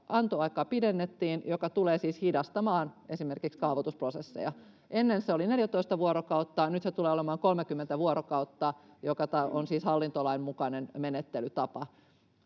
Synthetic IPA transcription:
ʔɑnt̪oɑikɑːpidenːet̪ːiːnjokɑt̪uleːsiːshidɑst̪ɑmɑːnesimerkikskɑːʋot̪usprosesːḛjɑ | ʔenːenseolineljæt̪oist̪ɑʋuoɾokɑut̪ːɑːnyt̪set̪uleːolemɑːŋkolmekymːent̪æʋuoɾokɑut̪ːɑː | jokɑt̪ɑonsiːshɑlːint̪olɑimmukɑnenmenet̪ːelyt̪ɑpɑ

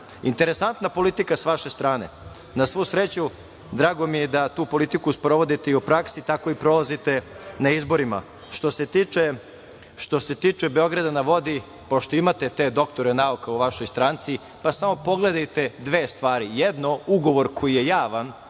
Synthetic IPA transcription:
int̪eɾesant̪napo̞lit̪ikasʋaʃe̞st̪ɾaːne̞̰ | nasʋusɾet͡ɕu | d̪ɾaːɡo̞mijed̪at̪uːpo̞lit̪ikuspɾo̞ʋo̞d̪it̪eiupɾaksit̪ako̞ipɾo̞lazit̪e̞ | naizbo̞ɾima̰ | ʃt̪o̞set̪it͡ʃe | ʃt̪o̞se̞t̪it͡ʂebe̞o̞ɡɾad̪anaʋo̞d̪i | poʃt̪o̞imat̪e̞t̪e̞d̪o̞kt̪o̞ɾenaukauʋaʃojst̪ɾaːnt̪si | pasamo̞po̞ɡle̞d̪ajt̪e̞d̪ʋeːst̪ʋaːɾijɛd̪no̞uɡo̞ʋo̞ɾkʰo̞jije̞jaːʋan

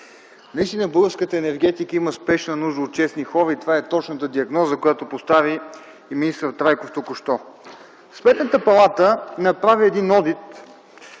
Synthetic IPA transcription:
nɐist̪inəbəɡəɾskət̪əɛnɛɾɡ̟ɛt̪ikəiməspɛʃnənuʒd̪əot̪̚t͡ʃɛsnixɔɾəit̪ovaɛt̪ɔt͡ʃnət̪əd̪iɐɡnɔzəkojat̪opost̪aviː | miist̪əɾt̪ɾajkoft̪okʊʃt̪ɔ | smɛt̪nət̪əpɐlˠat̪ənɐpɾaviɛd̪inɔd̪it̪

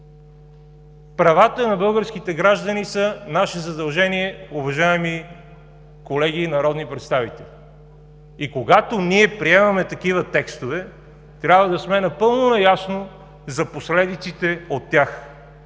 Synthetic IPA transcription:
pɾɐvat̪ənɐbɤlˠɡəɾskit̪ɛɡɾaʒd̪ɐnisənaʃɛzɐd̪ɐlˠʒɛniɛʊvɐʒaɛmi | kolɛɡ̟iːnɐɾɔd̪nipɾɛt̪st̪avit̪ɛli | ikoɡat̪oniɛpɾiɛmɐmɛt̪ɐkivət̪ɛkst̪ovɛ | t̪ɾʲjabvəd̪ɐsmɛnɐpɤlˠnonɐjasno | zɐposlɛd̪it̪sit̪ɛot̪ːjax

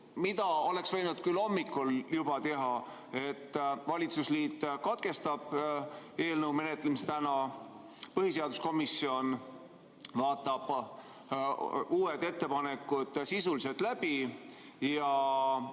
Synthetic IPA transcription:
mid̪ɑo̞le̞ksvejnud̪̥kylːo̞mːikˑːoljub̥ɑt̪e̞ɦɑ | e̞t̪ːvɑlʲit̪susliːt̪ːˑkɑt̪̚ke̞st̪ɑb̥ | e̞ːlnəuwme̞net̪ːˑlemist̪ænɑ | pɤɦhise̞ɑd̪usko̞misːio̞n | vɑːt̪ːˑɑb̥ | uːed̪̥e̞t̪ːe̞pɑne̞kːˑud̪̥sisulise̞lt̪læb̥i | jɑ

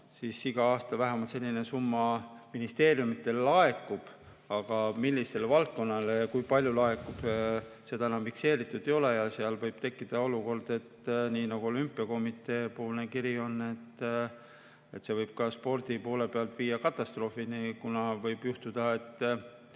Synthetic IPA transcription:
sisiɡ̥ɑɑːst̪ɑvæɦæmɑlt̪se̞lʲːine̞sumːɑminist̪e̞ːrjumit̪ːˑe̞llɑe̞kːˑub̥ | ɑɡ̥ɑmilʲːise̞lvɑlt̪̚ko̞nːɑlekujpɑlʲjulɑe̞kːˑub̥se̞d̪̥ɑnɑmpikse̞ːɾit̪ːˑud̪̥e̞jo̞lejɑseɑlvɤjb̥t̪e̞kːid̪̥ɑo̞luko̞rd̪̥e̞t̪ːniːnɑɡ̥uo̞lympːˑiɑko̞mit̪ˑːe̞ːpo̞ːlnekiɾio̞nːe̞t̪ː | e̞t̪ːse̞vɤjb̥̚kɑspo̞rd̪̥ipo̞ːle̞pe̞ɑlt̪viːjːɑkɑt̪ːˑɑst̪ro̞ːfinikunɑvɤjb̥juht̪ud̪̥ɑe̞t̪ːˑ

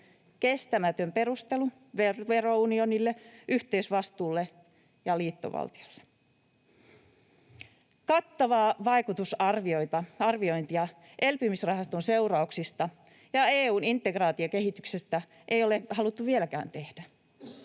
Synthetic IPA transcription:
kest̪æmæt̪ømpe̞rust̪elu | ʋerʋerounionilːeʔyht̪eiysʋɑst̪uːlːe | jɑliːt̪ːo̰ʋɑ̰lt̪i̥olːe̥ | kɑt̪ːɑʋɑːʋɑikut̪usɑrʋioit̪ɑɑrʋioint̪iɑ | ʔelpymisrɑhɑst̪onseurɑuksist̪ɑ | jɑeːuːnint̪ːˑeɡrɑːt̪iɑkeɦit̪yksest̪æ | ʔejolehɑlut̪ːuʋielækæ̰ːnt̪ehd̥æ

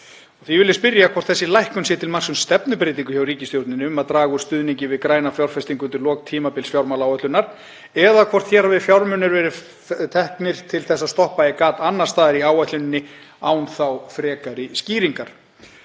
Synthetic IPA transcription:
ɔɣθivɪlːɪspɪɾjakʰvɔr̥t̪θɛsːɪlajhkʏmsjɛt̪ʰɪlmar̥sʏmst̪ɛpnʏpɾɪːt̪iŋkʏçawɾiːcɪst̪jowɾt̪nɪnɪʏmaðt̪ɾaːɣʏ̥st̪ʏːðniɲcɪvɪðkɾaːjnafjawɾ̥fɛst̪iŋkʏnt̪ɪɾlɔːkt̪ʰiːmapɪlsfjawɾmalaːwat̪lʏnːaɾ̥ | ɛðakʰvɔr̥t̪çɛːɾhavɪfjawɾmʏnːɪɾvɛːɾɪ | t̪ʰɛhknɪɾ̥t̪ʰɪlθɛsːast̪ɔhpaɪkaːt̪anːar̥st̪aːðɪɾiaːwat̪lʏnɪnːɪ | aːwnθawfɾɛːkaɾɪsciːɾiŋkaɾ̥

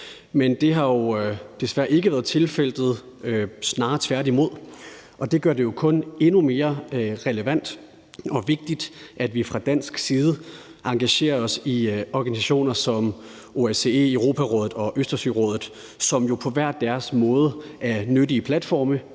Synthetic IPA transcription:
mend̥e̝ɦɑ̈jo̝d̥e̝sʋæɐ̰e̝ɡ̥əʋæːɐðˠt͡sʰe̝lfel̰d̥ð̩ˠ | øsnɑ̈ːt͡sʰʋæɐɾimo̝ð̞̰ˠ | ʔɒ̽d̥e̝ɡ̥ɶɐde̝jo̝kʰɔ̽ne̝nume̝ːɐʁɛləʋæn̰d̥ | ɒ̽ʋe̝ɡ̥̚d̥id̥ʔæd̥ʋifʁɑ̈d̥æn̰sɡ̥siːð̞ˠəʔɑ̈ŋɡ̥æɕe̝̰ːɐɒ̽siɒɡ̥ænisæɕo̝̰ːnɐsɒ̽m | ʔo̝æse̝ḛəʁo̝ːpʰæʁɔ̽ːðˠð̩ˠɒ̽ʔøsd̥ɐsy̰ʁɔ̽ːð̰ˠð̩ˠ | sɒ̽mjo̝pʰɒ̽ʋæɐ̰d̥æɐsmɔ̽ːð̞ˠəʔæɐnødiəpʰlæd̥fɒ̰ːmə

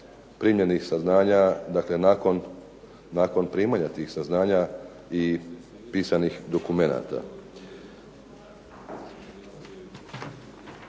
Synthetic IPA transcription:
pɾimjenixsaznaːɲad̪akle̞nakonː | aːko̞npɾiːmaɲat̪iːxsaznaːɲa | i | piːsanixd̪o̞kume̞na̰t̪a̰

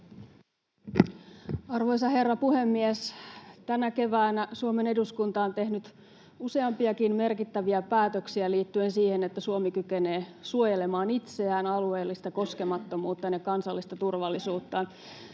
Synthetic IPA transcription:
ɑrʋo̞js̬ɑhe̞rːɑpuhe̞mːiest̪ænæke̞ʋæːnæsuome̞ne̞duskunt̪ɑont̪e̞hnyt̪ | use̞ɑmpiɑkinme̞rkit̪ːæʋiæpæːt̪øksiæliːt̪ːye̞nsiːhenet̪ːæsuomikykeneːsuojelemɑːnit̪seæːnɑlue̞ːlːist̪ɑko̞skemɑt̪ːo̞muːt̪ːɑnjekɑnsɑlːist̪ɑt̪urʋɑlːisuːt̪ːɑn

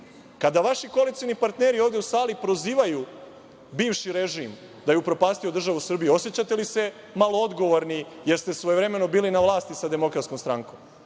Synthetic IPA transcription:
kad̪aʋaʃiko̞lisinipaɾt̪neːɾioːvd̪eusaːlipɾo̞ziːʋaju | biːʋʃiɾeʒim | d̪ajupɾo̞paːst̪iod̪r̩ʒaʋusr̩bijuo̞sjet͡ɕat̪e̞lise̞ | malood̪ɡo̞ʋoɾnijeɾst̪e̞sʋojevɾe̞me̞no̞biːlinaʋlaːst̪isad̪e̞mo̞kɾat̪sko̞mst̪ɾaːŋkom

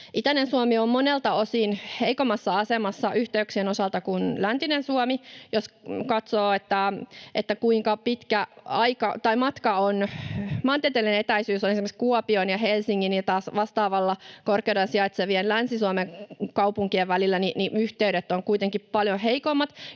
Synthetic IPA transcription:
ʔit̪ænensuomiommonelt̪ɑosinheikomːˑɑsːɑɑsemɑsːɑʔyht̪eyksienosɑlt̪ɑkunlænt̪inensuomijoskɑt̪soːet̪ːæʔet̪ːækuiŋkɑpit̪kæɑikɑt̪ɑimɑt̪kɑonmɑːnt̪iet̪elienet̪æisyːsonesimĕkskuopionjɑhelsiŋːinit̪ɑːsʋɑst̪ɑːʋɑlːɑkorkeudɑnsiɑit̪seʋienlænsisuomeŋkɑupuŋkieʋʋælilːæniniyht̪eyɾet̪ːoŋkuit̪eŋkippɑljoheikomːɑt̪

